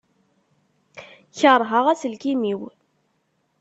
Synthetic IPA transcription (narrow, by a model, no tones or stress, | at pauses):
çəɾˤɦəʁæsəlkimiw